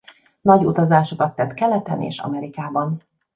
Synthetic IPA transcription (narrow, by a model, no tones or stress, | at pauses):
nɒɟut̪ɒzaːʃokɒt̪ːɛt̪kɛlɛt̪ɛnḛːʃɒ̰mɛɾikaːbɒn